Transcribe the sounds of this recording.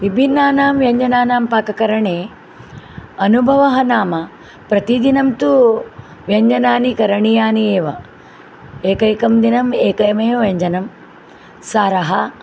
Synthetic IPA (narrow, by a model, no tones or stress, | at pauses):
ʋibʱinːaːnaːmʋjɐɲd͡ʒɐnaːnaːmpaːkɐkɐɾɐɳeː | ɐnubʱɐʋɐɦɐnaːmɐ | pɾɐt̪id̪inɐmt̪u | ʋjɐɲd͡ʒɐnaːnikɐɾɐɳijaːnieːʋɐ | eːkɐjkɐmd̪inɐmeːkɐjmɐjoʋjɐɲd͡ʒɐnɐm | saːɾɐɦɐ